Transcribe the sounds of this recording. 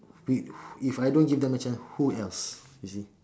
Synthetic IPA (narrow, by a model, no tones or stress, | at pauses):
wiifajdõnɡivd̪ɛ̃mət͡ʃãnshuɛlsjusi